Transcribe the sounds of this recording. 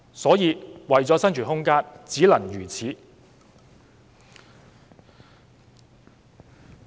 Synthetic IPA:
sɔː˨˥jiː˨˧wɐ˨˩jt͡sɔː˨˥sɐ˥nt͡ʃʰyː˨˩ɦʊ˥ŋkaː˥nt͡siː˨˥lɐ˨˩njyː˨˩t͡sʰiː˨˥

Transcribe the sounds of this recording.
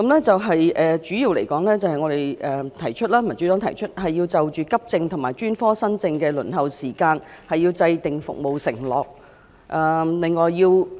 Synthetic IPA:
kɐ˧˥mlɛː˥t͡sɐ˨wɦɐ˨jʔɛː˨˩t͡ʃyː˨˥jiː˧wlḛ˨˩jkɔː˨˥ŋlɛː˥t͡sɐ˨˧hɐ˨jŋɔː˨˧d̪e˨jʔɛː˨˩t̪ʰɐ˨˩jt͡ʃʰɵ˥t̚laː˥mɐ˨˩nt͡ʃy˨˥t̪ɔː˨˥ŋt̪ʰɐ˨˩jt͡ʃʰɵ˥t̚hɐ˨jːiː˧wt͡sɐ˨wt͡ʃyː˨kɐ˥p̚t͡sɪ˧ŋt̪ʰʊ˨˩ŋmaː˨˩jt͡ʃyː˥nfɔː˥sɐ˥nt͡sɪ˧ŋkɛː˧lɵ̰˨˩nɦɐ˨wsiː˨˩kaː˧nhɐ˨jːiː˧wt͡sɐ˧jt̪ɪ˨ŋfʊ̰˨k̚mo˨wsɪ̰˨˩ŋlɔː˨˩k̚ | ʔɐː˨lɪ˨ŋːɔː˨jːiː˧w

